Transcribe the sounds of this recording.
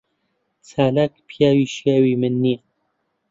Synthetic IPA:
t͡sʰaːlaːkpʰijaːwiʃjaːwimɨnːia

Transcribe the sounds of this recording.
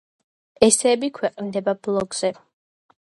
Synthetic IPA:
ɛsɛːbikʰwɛqʼnd̪ɛbablˠɔɡz̥ɛ

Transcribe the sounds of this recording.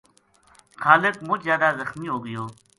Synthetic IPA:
xaːlɪkmuzjaːd̪azɐxmiɦoːɡəjoː

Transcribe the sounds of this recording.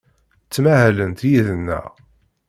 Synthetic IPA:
t͡sːmahælənt̪jiðənːæ̰

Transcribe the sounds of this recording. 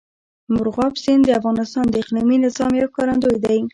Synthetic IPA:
mʊɾɣɑbsind̪əafɣɑnɪst̪ɑnd̪əɪqliminɪzɑmjawkɑɾand̪ojd̪aj

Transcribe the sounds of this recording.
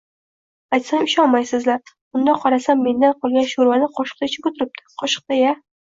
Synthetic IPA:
ajt̪samɪʃɒnmajsɪzlaɾ | bʊnd̪aqʰɒɾasamːe̞nd̪anqʰɒlˠɡʲanʃoɾvanɪqʰɒʃɨ̥q̚t̪aɪt͡ʃʰɪbʊt̪ʰɪɾɪp̚t̪ʰɪ̥qʰɒʃɨ̥q̚t̪aja

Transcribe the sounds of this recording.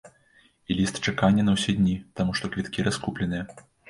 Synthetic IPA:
ilʲist̪t͡ʂakanʲːɐnɐwsʲɛd̪ʲnʲit̪amuʂt̪ɔkvʲit̪kʲiɾaskuplʲɛnɨjɐ

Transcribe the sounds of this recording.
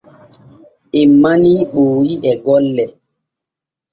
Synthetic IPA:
emːaniɓoːɾiɛɡɔlːɛ

